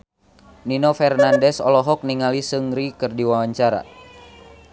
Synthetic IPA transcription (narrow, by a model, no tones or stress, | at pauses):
ninɔfɛrnandɛsɔlɔɦɔk̚niŋalisɨŋɾikɨrdiwawaɲt͡ʃaɾa̰